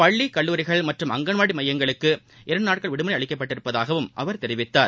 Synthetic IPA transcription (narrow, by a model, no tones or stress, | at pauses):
pɐɭːikɐɭːuːɾɪɣɐɭmɐʈrɯmɐŋɡɐnʋaːɽimɐjːɐŋɡɐɭɯkːɯ | ʔɪɾɐɳɖɯnaːʈ̚kɐɭʋɪɽɯmɐnɐɪɐɭɪkːɐp̬ːɐʈːɪɾɯpːɐðaːɣɐʋɯmʔɐʋɐɾt̪ɛɾɪʋɪt̪ːaːɾ